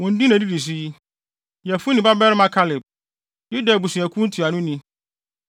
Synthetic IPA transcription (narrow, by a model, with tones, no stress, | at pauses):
wɔ̃˨n̩˦di˦næ̃˨di˦di˨s̬i˦ji˦ | jɛ˨fu˦nɪ̃˨ba˦bɛ˦ɾmã˦kʰa˦lɪ˨b̚ | ju˦da˨bu˨sũ˨æ˨kʰũ˦n̩˦tʰu˨a˨nʊ̃˦nĩ˦